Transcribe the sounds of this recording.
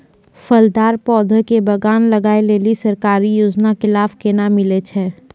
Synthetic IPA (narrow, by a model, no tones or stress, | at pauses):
fəld̪aːɾpɔːd̪ʱəkebɐɡaːnlɐɡaːeleːlisɐɾkaːɾijoːd͡ʒnakɪlaːfkeːnamɪlet͡ʃʰɛː